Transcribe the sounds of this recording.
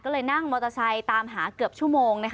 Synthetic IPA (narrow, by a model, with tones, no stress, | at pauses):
kɔː˥˩lɤː˧jna˥˩ŋmɔː˧t̪ʰa˧sʰa˧jt̪aː˧mɦaː˩˦kɯ˨˩əp̚t͡ɕʰu˥˩əmoː˧ŋna˦˥k